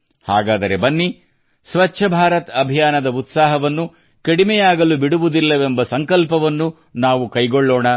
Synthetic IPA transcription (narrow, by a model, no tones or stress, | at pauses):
haːɡaːd̪ɐɾe̞bɐnːi | sʋɐt͡ʃːʃʰɐbʱaːɾɐt̪ɐbʱijaːnɐd̪ɐut̪saːɦɐʋɐnːu | kɐɽimɛjaːɡɐlubiɽuʋud̪ilːɐʋembɐsɐŋkɐlpɐʋɐnːu | naːʋukɐjɡoɭːɔːɳɐ